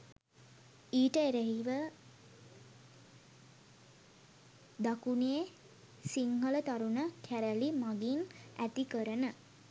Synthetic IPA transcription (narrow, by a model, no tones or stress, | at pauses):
iːʈəeɾeɦiʋə | d̪akunije | siŋhələt̪aɾunəkʰæɾælimaɡinæt̪ikəɾənə